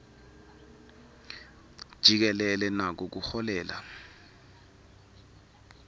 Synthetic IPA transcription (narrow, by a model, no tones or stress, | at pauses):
d̥ʒ̥ʱik̬ɛlɛlɛnak̬ɔk̬uxɔlɛːla̰